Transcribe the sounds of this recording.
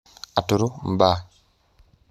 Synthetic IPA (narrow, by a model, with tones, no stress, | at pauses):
a˨tu˨ɾu˦m̩˨ba˦